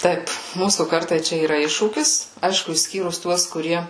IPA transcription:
ˈtɐɪp ˈmuːsuː ˈkɐrtɐɪ ˈt͡ʃʲɛ iːˈrɐ ˈɪʃʃuːkʲɪs ˈɐɪʃkʊ ɪʃʲˈsʲkʲiːrʊs ˈtuɔs kʊˈrʲiɛ

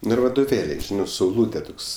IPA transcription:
ˈnʊ ɪr ʋɐdoːˈʋʲeːlʲɛɪ ˈʒʲɪnɜ sɐʊˈlˠuːtʲeː ˈtoːks

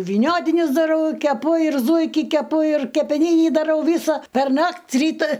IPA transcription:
ʋʲiːˈnʲoːtʲɪnʲɪs dɐˈrɐʊ kʲɛˈpʊ ɪr ˈzuːɪkʲɪ kʲɛˈpʊ ɪr kʲɛpʲɛˈnʲiːnʲiː dɐˈrɐʊ ˈʋʲiːsɐ pʲɛrˈnɐktʲ ˈrʲiːtɐ

